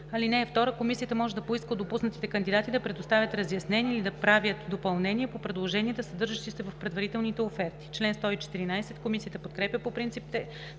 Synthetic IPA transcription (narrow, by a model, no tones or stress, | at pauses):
ɐlinɛːft̪ɔɾəkomisijət̪əmɔʒɛd̪ɐpoiskəd̪opusnət̪i̥t̪ɛkənd̪id̪at̪id̪ɐpɾɛd̪ost̪avʲjət̪ɾɐzjɐsnɛniɛilid̪ɐpɾavʲjət̪d̪opɐlˠnɛniɛpopɾɛd̪lˠoʒɛniɛd̪ɐsɐd̪ɤɾʒəʃt̪isɛvɐfpɾɛd̪vɐɾit̪ɛlˠnit̪ɛofɛɾt̪i̥t͡ʃlɛnst̪ɔit͡ʃɛ̥t̪iɾinajsɛt̪komisijət̪əpot̪kɾɛpʲjəpopɾint̪sip̚t̪ɛ